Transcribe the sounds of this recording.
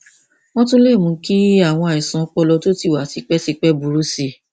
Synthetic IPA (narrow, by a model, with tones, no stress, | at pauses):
w̃ɔ̃˦tũ˦le˦˨mũ˧˦ki˦a˦˨w̃ɔ̃˧a˨i˨sɔ̃˨˦k͡pɔ˧lɔ˧to˦ti˦˨wa˨˦ti˧k͡pɛ˦si˧k͡pɛ˦bu˨˦ɾu˨˦si˧